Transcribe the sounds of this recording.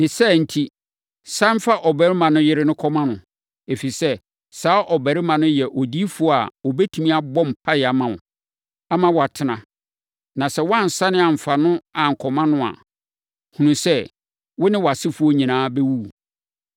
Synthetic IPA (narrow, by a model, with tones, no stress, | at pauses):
nɪ̃˨sɛ˦n̩˨tʰi˦ | sã˦m˦fa˦ʔɔ˨bæ˨˦ɾɪ˦mã˨nʊ̃˦jɪ˦ɾɪ˦nʊ̃˦kʰɔ˦mã˦nʊ̃˨ | e˨fi˨sɛ˦ | saː˨˦ʔɔ˨bæ˨ɾɪ˦mã˨nʊ̃˦jɛ˨ʔɔ˨di˦fu˨˦ɔ˦a̰˨ɔ˨bɛ˦tʰu˨mĩ˦a˦bɔ̃˦m̩˨pʰa˦ɪ˨a˨mã˨ʊ̰̃˨ | a˦mã˨wɔ˨a˨tʰɪ˨nã˨ | nã˨sɛ˦wɔ˦a˦˨n̩˨sa˦nɪ̃˦a˨m̩˨fa˨nʊ̃˦a˨ŋ̩˨kʰɔ˨mã˦nʊ̃˦a̰˨ | hũ˨nũ˨sɛ˦ | wʊ˦nɪ̃˦wɔ˨a˨sɪ˦fu˦o˦ɲĩ˨nãː˦bɛ˦wu˦˨